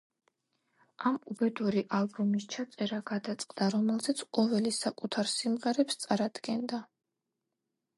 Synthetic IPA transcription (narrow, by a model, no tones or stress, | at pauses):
amubɛd̪uɾiʔalˠbumist͡ʃʰat̪sʼɛɾaɡad̪at̪sʼqʼd̪aɾɔmɛlˠzɛt̪sʰqʼɔvɛlisakʼut̪ʰaɾsimʁɛɾɛpst̪sʼaɾad̪ɡɛnd̪a